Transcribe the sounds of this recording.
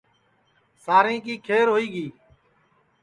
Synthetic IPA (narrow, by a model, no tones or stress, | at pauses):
saːɾĩːkiːkʰeːɾɦoːiːɡiː